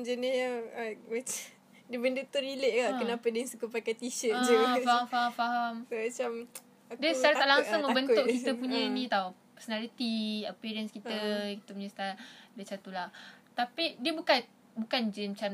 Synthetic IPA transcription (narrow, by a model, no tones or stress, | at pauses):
d͡ʒənijaamat͡ʃa | dibəndut̪uɾiləʔkaʔkənãpədəŋsəkupakat̪iʃəəd͡ʒufahamfaɦamfaɦamsomat͡ʃam | akdiəst͡ʃaɾat̪aʔlaŋsʊŋbənt̪ʊʔkit̪əpuɲə̃inĩt̪awpɛsonalit̪iəpiɾiənskit̪əkit̪əpuɲəst̪adət͡ʃat̪ulaht̪apidiəbukat̪ | bukand͡ʒəmt͡ʃam